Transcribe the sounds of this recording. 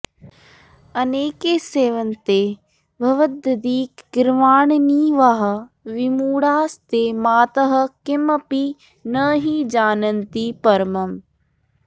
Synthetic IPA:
ɐneːkeːseːʋənt̪eː | ʋʱɐʋəd̪əd̪iːkɡɪɾmaːɳniʋaɦɐ | ʋɪmuːɽaːst̪eːmaːt̪əɦə̆kɪmɐpi | nɐɦid͡ʒaːnənt̪ipɐɾmɐm

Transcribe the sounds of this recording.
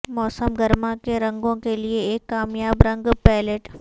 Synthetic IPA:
mɔːsəmɡɐɾmakeɾɐ̃ŋɡõkelieːkːaːmjaːbɾɐ̃ŋɡpɛːleʈ

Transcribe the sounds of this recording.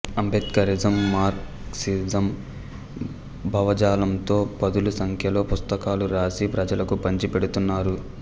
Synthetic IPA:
ɐmbʱit̪kɐɾid͡ʒɐmːaːɾk | sizɐm | bʱɐʋɐd͡ʒaːlɐmt̪o̞ːpɐd̪ulusɐŋkʰjɐlo̞ːpust̪ɐkaːluɾaːsipɾɐd͡ʒɐlɐkupɐɲt͡ʃipeɽut̪unːaːɾu

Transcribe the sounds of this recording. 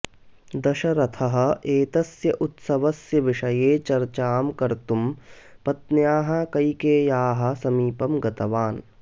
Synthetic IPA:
d̪ɐʃɐɾɐt̪ʰɐɦɐ̆eːt̪ɐsjɐʔʊt̪sɐʋɐsjɐʋɪʃɐjeːt͡ʃɐɾt͡ʃaːmkɐɾt̪um | pɐt̪njaːɦɐkɐikeːjaːɦɐ̆sɐmiːpɐmɡɐt̪ɐʋaːn

